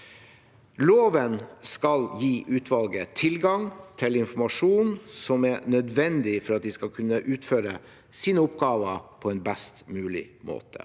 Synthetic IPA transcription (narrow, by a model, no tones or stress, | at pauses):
loːʋənskɑljiːʔʉːt̪ʰʋɑlɡət̪ʰɪlɡɑŋt̪ʰɪlɪnfɔmɑʂuːnsɔmæɾɳœd̪ʋɛnd̪ɪfɔɾɑt̪̚d̪ɪskɑkʰʉnːəʔʉːt̪føːɾə | siːnəʊpɡɑːʋəpʰɔɛnbæst̪mʉːlɪ̰mo̰ːt̪ʰə̰